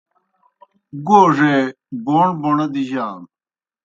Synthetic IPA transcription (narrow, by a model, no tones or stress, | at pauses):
ɡoːʐe | boːɳboɳɐd̪iʑaːn